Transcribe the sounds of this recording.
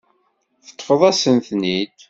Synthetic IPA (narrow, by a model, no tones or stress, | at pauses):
θə̥t̪ˤːfəðˤæsənθnid̪